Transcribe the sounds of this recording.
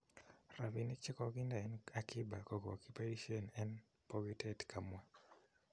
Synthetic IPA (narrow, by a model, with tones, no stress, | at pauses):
ra˨vi˨ni˦kt͡ʃi˦kɔɡi˦nda˨ɛ˦nakʰi˦ba˨ko˨ɡo̰˨kupa˦iʃiɔ˦nɛ˦n | po˦ɡi˦tɛtkʰa˨mwa˦